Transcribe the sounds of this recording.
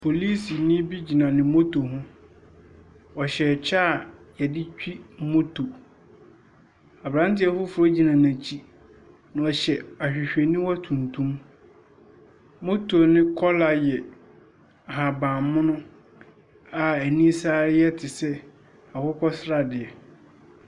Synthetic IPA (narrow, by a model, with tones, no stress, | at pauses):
pʰo˨li˦si˨nɪ̃˦bi˦d͡ʑi˨nã˨nɪ̃˨mo˦tʰo˨ɦʊ̃˦ | ɔ˨ɕɛ˨t͡ɕʰaː˦˨jɛ˨dɪ˦t͡ɕᶣi˦mo˦tʰo˨ | a˨bɾã˦ntɪ˦ɛ˦fʊ˦fʊ˨ɾɔ˦d͡ʑi˨nã˨nã˨t͡ɕʰi˦ | nʊ̃˨ɔ˨ɕɛ˨a˨ɕᶣɪ˨ɕᶣɛ˨nĩ˦wa˦tʰũ˨ntʰũ˦m | mo˦tʰo˨nɪ̃˦kʰɔ˦la˨jɛ˨ | a˨ɦa˨bã˨mmʊ̃˦nʊ̃˦ | a˨æ˨nĩ˦saː˦ɪ˦jɛ˦tʰɪ˨sɛ˦ | a˨kʰʊ˦kʰɔ˦sɾa˨dɪ˨ɛ˨